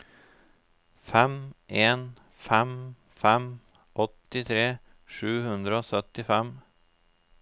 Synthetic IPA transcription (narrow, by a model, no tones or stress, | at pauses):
fɛmʔeːn | fɛm | fɛm | ʔɔt̪ɪt̪ʰɾeː | ʂʉːhʉnd̪ɾəoːsœt̪ɪfɛm